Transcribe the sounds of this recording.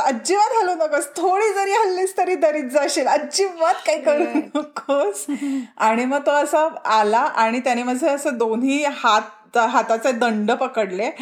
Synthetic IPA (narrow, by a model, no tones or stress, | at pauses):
əd͡ʑiʋat̪aluːnəkəst̪ʰoɽiːd͡zəɾiːɦəlːiːst̪əɾiːd̪əɾiːt̪̚d͡zaɕeləd͡ʑiʋat̪kaikəɾuːnəkəsaɽ̃iməɡ̚t̪oəsəalaʔaɽ̃it̪janiməd͡zʱeəsəd̪onɦiːhat̪̚ | ɦat̪at͡sed̪əɳɖəpəkəɽle